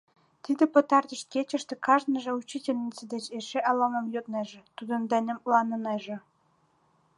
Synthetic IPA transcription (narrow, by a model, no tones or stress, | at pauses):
t̪id̪ə̆pə̆t̪ɑrt̪ə̆ʃt̪̚ket͡ɕə̆ʃt̪ĕkɑʒnə̆ʒɤ̆ut͡ɕitʲelʲnʲit͡sed̪et͡ɕeʃeʔɑlɑmɤmjot̪neʒĕt̪ud̪ə̆nd̪ænʲə̆mlɑnə̆neʒĕ